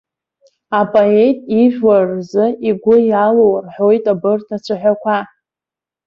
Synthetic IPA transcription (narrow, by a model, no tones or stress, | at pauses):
apʼoetʼiʒᶣwarzɨiɡʷʊjalowrħo̞jtʼabɨrtʰat͡ʃʷʰaħᶣʷakʷʰa